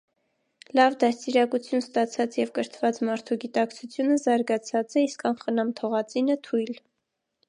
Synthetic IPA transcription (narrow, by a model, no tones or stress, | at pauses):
lɑvd̪ɑstiɾɑkut͡sʰjunst̪ɑt͡sʰɑt͡sjɛvkəɾt̪ʰvɑt͡smɑɾt̪ʰuɡit̪ɑkt͡sʰut͡sʰjunəzɑɾɡɑt͡sʰɑt͡sɛiskɑnχənɑmt̪ʰɔʁɑt͡sinət̪ʰujl